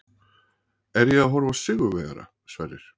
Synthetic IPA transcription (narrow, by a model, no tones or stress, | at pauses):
ɛɾjɛɣaðɦɔɾvasɪɣʏvɛːɣa̰ɾa̰ | svaːrðɪɾ̥